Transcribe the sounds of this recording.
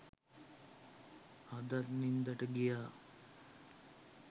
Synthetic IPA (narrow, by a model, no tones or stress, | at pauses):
ad̪at̪nind̪aʈəɡijaː